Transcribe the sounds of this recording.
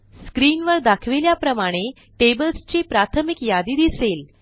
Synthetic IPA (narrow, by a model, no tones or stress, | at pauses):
skɾiːnʋəɾd̪akʰʋeljapɾəmaɽ̃e | ʈebəlst͡ɕipɾat̪ʰəmikjad̪iːd̪isel